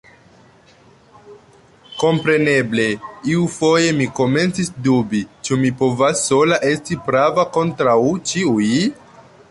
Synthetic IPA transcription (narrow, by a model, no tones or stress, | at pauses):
ko̞mpɾe̞ne̞ble̞iufo̞je̞miko̞me̞nt͡sisdubit͡ʃumipo̞vasːo̞laʔe̞stipɾavako̞ntɾawt͡ʃiuj